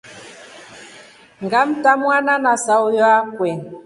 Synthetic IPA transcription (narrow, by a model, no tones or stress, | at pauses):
ŋɡam̩tamwananasaujɔakwɛn